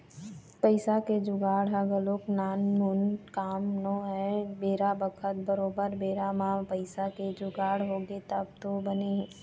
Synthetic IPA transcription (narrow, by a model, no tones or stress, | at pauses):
pəɪsaked͡ʒʊɡaːɽɦaɡəɾloːknaːnːunkaːmnoɦɛbeːɾabəkʰət̪̚bəɾoːbəɾbeːɾamãpɐɪsaked͡ʒʊɡaːɽɦoːɡet̪əb̚t̪obəneɦɛ